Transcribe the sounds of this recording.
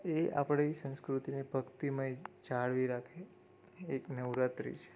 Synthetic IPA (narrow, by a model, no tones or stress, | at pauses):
ea̰pɽ̃esə̃nskɾut̪inebʱəɡt̪imãjt͡ʃaɽʋiɾakʰe | eknəʋɾat̪ɾḭt͡ʃʰe̥